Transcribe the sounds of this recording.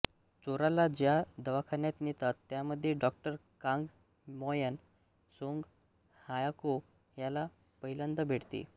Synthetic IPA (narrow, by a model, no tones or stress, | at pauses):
t͡soɾalad͡ʑjad̪əʋakʰanjat̪net̪at̪ːjaməd̪ʱːjeɖɔkʈəɾkãŋɡ | mɔjən | soŋɡ | hajako | jala | pəɦilənt̪əbʱeɽt̪ḭ